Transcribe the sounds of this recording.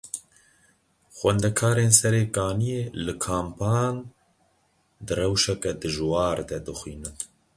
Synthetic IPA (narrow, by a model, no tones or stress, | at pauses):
xwɛnd̪ɛkʰaːɾeːnsɛɾeːkaːnijeːlɨkʰaːmpʰaːn | d̪ɨrɛwʃɛkɛd̪ɨʒwɑːɾd̪ɛd̪ɨxwiːnɨn